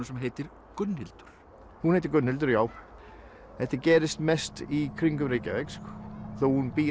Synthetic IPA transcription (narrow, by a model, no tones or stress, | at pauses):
ʏsɛmɦeːjt̪ɪɾ | kʏnːhɪlt̪ʏ̥ɾ̥ | hunhejt̪ɪɾkʏnhɪlt̪ʏɾjaːw | θɛht̪ɪɾcɛːɾɪst̪mɛst̪ikʰɾiŋkʏmɾiːca̰vejkskθowhunpiː